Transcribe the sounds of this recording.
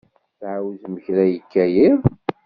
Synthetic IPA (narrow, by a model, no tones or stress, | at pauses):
θʕawzməçɾæjəkːæjið